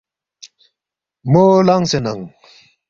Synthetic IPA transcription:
moːlaŋsena̰ŋ

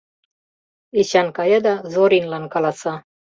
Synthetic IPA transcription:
iɕɑnkɑjɑd̪ɑzoɾinlɑnkɑlɑsɑ

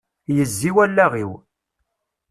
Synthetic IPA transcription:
jəzːiwælːæʁiw

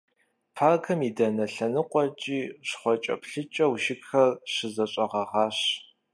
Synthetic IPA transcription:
pʰaːɡʰɐmiːdɐnɐɬɐnɨqʷʼɔt͡ʃʼiːʂχʷɔt͡ʃʼɐ̰pɬɨt͡ʃʼɐwʃɪɡxɐrɕɪzɐɕʼɐʁɐʁɑːɕ

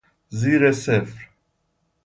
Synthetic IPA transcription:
ziːɾɛsɛfɾ

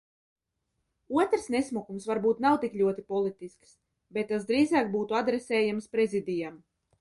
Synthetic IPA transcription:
uɔt̪ɾsnesmukumsvaɾbuːt̪nawt̪iklʲuɔt̪ipɔlˠit̪isks | bet̪ːas̬d̪ɾiːzaːk̚buːt̪uad̪ɾesɛːjamspɾezid̪ʲijam

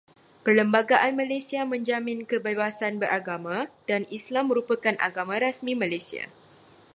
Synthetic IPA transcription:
pərləmbaɡaʔanmãlajsiamə̃ɲd͡ʒamɪ̃nkəbebasanbəɾʔaɡamãd̥anislamːə̃ɾupakanʔa̰ɡamãɾasmĩmãlajsia̰

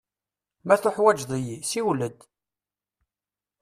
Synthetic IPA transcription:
mæθʊħwæd͡ʒðˤijisiwləd̪

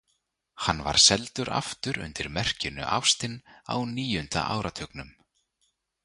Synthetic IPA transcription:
hanːva̰ɾ̥sɛlt̪ʏɾʔa̰ft̪ʏɾʏ̰nt̪ɪɾmɛr̥cɪnʏ̰ʔa̰wfst̪ɪna̰wniːjʏnt̪a̰ʔaːwɾat̪ʰœknʏm

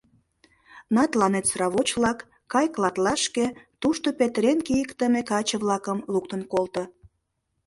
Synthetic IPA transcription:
nɑt̪lɑnet̪srɑβot͡ɕβlɑkː | ɑjklɑt̪lɑʃket̪uʃt̪opet̪ɾenkijəkt̪əmekɑt͡ɕəβlɑkəmluk̚t̪ənkolt̪o

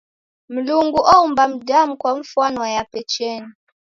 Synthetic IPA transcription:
m̩luŋɡuʔɔumbam̩damukwaɱ̩fwanwajapɛt͡ʃɛni

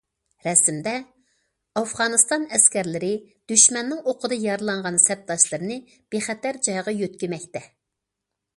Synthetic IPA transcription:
ɾɛsɪmd̪ɛ | ɑfʁɑnɨst̪ɑnɛskʲɛɾlɪɾɪd̪̥yʃmɛnːɪŋoqʰəd̪ɨjɑɾlˠɑɴʁɑnsɛp̚t̪ɑʃlˠɨɾnɨ | b̥eχɛt̪æɾd͡ʒɑjʁɑjøt̪kʲɪmɛk̚ʲt̪ɛ

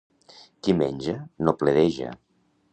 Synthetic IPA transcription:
kimenʲʒənopleðeʒə̰

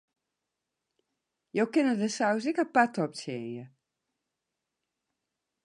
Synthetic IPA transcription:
jowkɪnədəsaws̬ɪkapatɔp̚t͡sjeənjə

